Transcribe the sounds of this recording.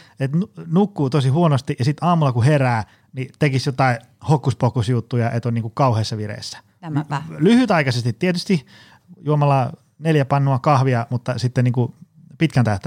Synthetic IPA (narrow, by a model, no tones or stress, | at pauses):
et̪nunukːuːt̪osihuonost̪ijɑsit̪ɑːmulːˑɑkuheræː | nit̪ekisjot̪ɑi | hokːuspokusjut̪ːujɑʔet̪oniːŋkukɑuheːsːɑʋirḛːˑsːæ̥ | lyhyt̪ɑikɑsest̪it̪t̪iet̪yst̪i | juomɑlːɑ | neljæpɑnːoɑkɑhʋiɑmut̪ːɑsit̪ːeniːŋku | pit̪kænt̪æht̪æ